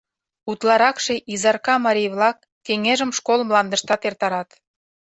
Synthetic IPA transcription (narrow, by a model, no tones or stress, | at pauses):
ut̪lɑɾɑkʃeʔizɑrkɑmɑɾʲijβlɑkːeŋeʒə̆mʃkolmlɑnd̪əʃt̪ɑt̪ert̪ɑɾɑt̪